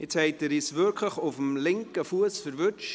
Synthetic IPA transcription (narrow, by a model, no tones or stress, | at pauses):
ɪt͡shɛɪtəɾisvʏɾkʰləχʊfəmlɪŋkəfuəsfəɾvʏt͡ʃ